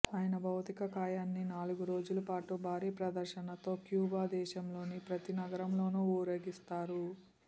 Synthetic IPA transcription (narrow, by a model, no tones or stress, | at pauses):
aːjɐnɐbʱɐwt̪ikɐkaːjaːnːinaːluɡuɾo̞ːd͡ʒulɐpaːʈubʱaːɾiːpɾɐd̪ɐɾʃɐnɐt̪o̞ːkjuːbaːd̪ɛːʃɐmlo̞ːnipɾɐt̪inɐɡɐɾɐmlo̞ːnuːuːɾɐːɡist̪aːɾu